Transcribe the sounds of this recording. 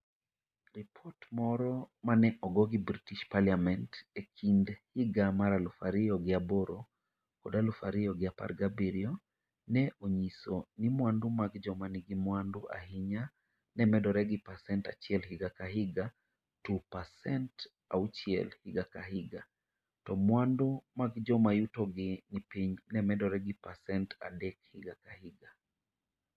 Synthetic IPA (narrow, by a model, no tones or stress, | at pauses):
ɾipʰɔtmɔɾɔmanɛʔɔɡɔɡibɾitiʃpaliamɛntɛkʰindhiɡamaɾalufaɾiɔɡiabɔɾɔ | kɔdalufaɾiɔɡiapa̰ɾɡabiɾiɔ | nɛʔɔɲisɔnimwandumaɡd͡ʒɔmaniɡimwanduʔa̰hiɲa | nɛmɛdɔɾɛɡipasɛntat͡ʃiɛlhiɡakaɦiɡa | tupasɛnt | a̰ut͡ʃiɛ̰lhiɡakaɦiɡa | tɔmwandumaɡd͡ʒɔmajutɔɡɪnipiɲnɛmɛdɔɾɛɡipasɛnta̰dɛkhiɡakahiɡa